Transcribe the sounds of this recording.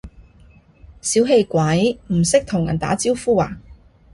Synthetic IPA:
siː˨˥wɦe˧jkʷɐ˨˧˥jm̩˨˩sɪ˥k̚t̪ʰʊ˨˩ŋjɐ˨˩nt̪a̰ː˨˥t͡siː˥wfuː˥wa̰ː˨˩

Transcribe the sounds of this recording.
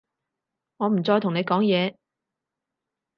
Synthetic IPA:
ŋɔː˨˧m̩˨˩t͡sɔː˧jt̪ʰŋne˨˧jkɔː˨˥ŋjɛː˨˧

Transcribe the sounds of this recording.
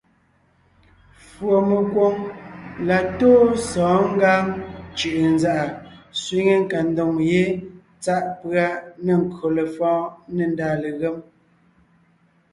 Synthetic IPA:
fwo˨me˨kwo˦ŋla˨toː˦sɔ̃ː˨˦ŋ̩˦ɡaː˦ŋt͡ʃʉ˨ʔnza˦˨ʔa˨sɥi˦ŋe˦ŋ˨ka˨n˦do˨ŋje˦ | t͡sa˦ʔpɰa˦ne˨ŋ̩˨kɰo˨le˨fɔ̃ː˦nə˨n˨daː˨le˨ɣe˦m

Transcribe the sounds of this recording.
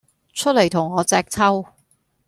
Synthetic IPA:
t͡ʃʰɵ˥t̚le˨˩jt̪ʰʊ˨˩ŋɔː˨˧t͡sɛː˧k̚t͡sʰɐ˥w

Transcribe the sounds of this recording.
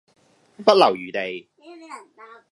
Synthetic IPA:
pɐ˥t̚lɐ˨˩wjyː˨˩t̪e˨j

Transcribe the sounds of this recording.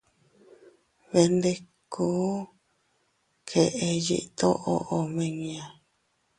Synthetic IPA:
βe˧nd̪e˧ku˦ | kʰe˨ʔe˧jḭ˦ʔt̪o̰˦ʔo˧ʔo˨mẽ˧ŋĩ˧ã˨

